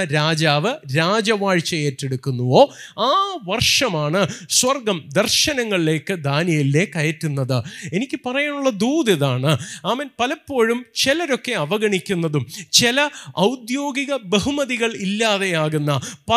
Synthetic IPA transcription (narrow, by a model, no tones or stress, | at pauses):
ɾaːd͡ʑaːʋɨɾaːd͡ʑɐʋaːɻt͡ɕːɐjeːtːe̞ɽukːunːuʋo̞ː | aːʋɐrʂɐmaːɳɨswɐrɡɐmd̪ɐrʂɕɐnɐŋːɐɭile̞ːkːɨd̪ʱaːnjɐjilːe̞kːɐjɐtːunːɐðɨe̞nikʲːɨpɐrɐjaːɳuɭːɐd̪uːd̪ɐðaːɳɨaːmɐnpɐlɐpːo̞ːɻumt͡ɕelɐɾo̞kːe̞ɐʋɐɣɐɳikʲːunːɐðumt͡ɕilɐɐwd̪jo̞ːɡiɣɐbeɦumɐðiɣɐɭilːaːðe̞jaːɣunːɐpɐ